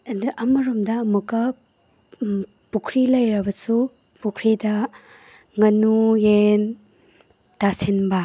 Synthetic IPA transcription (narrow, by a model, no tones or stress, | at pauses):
dʔɐmɐɾumdɐːmukːɐ | pukʰɾilɐjɾɐbɐsu | pukʰɾidɐ | ŋɐnujen | tasinbɐ